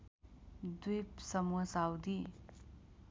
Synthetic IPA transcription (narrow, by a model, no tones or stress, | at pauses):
d̪uipsɐmuɐsawd̪i